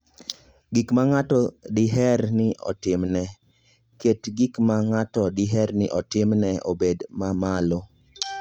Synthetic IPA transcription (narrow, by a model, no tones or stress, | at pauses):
ɡikmaŋatɔdɪɦɛrnɪɔ̰tɪmnɛ | ketɡikmaŋatɔdɪɦɛɾnɪʔɔtɪmnɛo̰bedmamalo